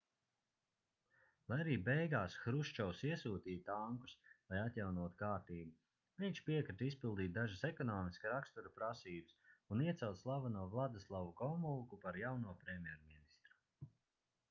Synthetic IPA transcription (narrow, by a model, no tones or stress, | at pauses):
lˠajaɾiːbɛjɡaːsxɾuʃt͡ʃɔwsiɛsuːt̪iːt̪aŋku̥slˠajat̪ʲjawnuɔt̪u̥kaːɾt̪iːbu | nʲɛt͡ʃpiɛkɾit̪ispilˠd̪iːt̪̚d̪aʒɨsɛkɔnɔːmisksɾakst̪uɾupɾasiːbɨsuniɛt̪sɛlˠt̪slˠavanuɔvlˠad̪ɪslˠavukɔmulˠkupaɾjawnuɔpɾɛmʲjɛɾminist̪ɾu̥